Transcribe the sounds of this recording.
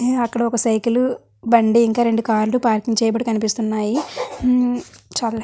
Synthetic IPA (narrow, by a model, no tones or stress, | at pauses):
ɐkːɐɽɐɔkɐsɐjkilu | bɐɳɖiiŋkaːɾe̞ɳɖukaːɾlupaːɾkiŋɡt͡ʃɛːjɐbɐʈːikɐnipist̪unːaːji | t͡ʃal